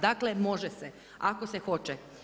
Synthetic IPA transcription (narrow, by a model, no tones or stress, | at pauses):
d̪aklemo̞ʒese | akosexo̞t͡ʃe